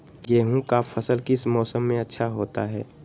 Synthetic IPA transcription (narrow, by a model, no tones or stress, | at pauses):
jeːɦũkafʰəsəlkɪsmɔːsəmːẽɐtːʃʰaɦoːt̪aɦɛ̰ː